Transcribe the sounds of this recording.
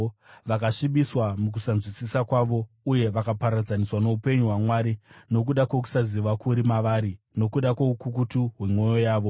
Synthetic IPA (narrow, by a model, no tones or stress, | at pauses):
ʋakaʂiɓiswamuk̬usanzwisisakwaʋo̞ | uje̞ʋakapaɾad͡zaniswano̞upe̞ɲuɦwamwaɾino̞k̬uɗakwe̞k̬u̥saziʋakuɾimaʋaːɾi | no̞kuɗakwo̞ukukutuɦwe̞mwo̞jo̞jaːʋo̞